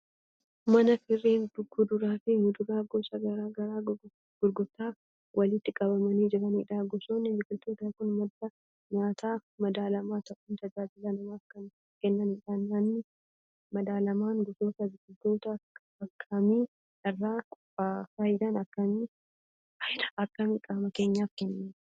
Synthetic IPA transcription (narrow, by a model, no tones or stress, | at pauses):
mɐnɐfɪrːiːnd̪ʊɡːud̪ʊɾaːfɪŋʊd̪ʊɾaːɡɔsɐɡɐɾaːɡɐɾaː | ɡ̥ʊɾɡʊt̪ːaː | wʔɐlɪt̪ːɪkʼɐbɐmɐniːd͡ʒɪɾɐnɪᶑaːɡɔsoːnːɪmɪkʊlt̪oːt̪aːkʊnmɐd̪ɐ | ɲaːt̪ʰaːmɐd̪aːlɐmaːt̪ɐʔuːnt̪ɐd͡ʒaːd͡ʒɪlɐnɪmaːfkɐn | kɛnːɐnɪᶑanːɐnːɪ | mɐd̪aːlɐmaːŋɡɔsoːt̪ɐɪɡɪd̪oːt̪ɐ | ɐkʰːɐmiː | ɐrːaːkʼʊ | afɐjɪd̪ɐnɐkːɐmi | fɐjd̪ɐ̥ɐkːɐmikʼaːmɐke̞ːɲːaːfkɛnːɐn